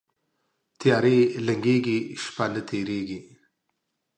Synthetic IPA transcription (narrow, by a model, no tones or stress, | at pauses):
t̪jɑːɾelɐŋɡeːɡiʃpaːnət̪ʰeːɾeːɡi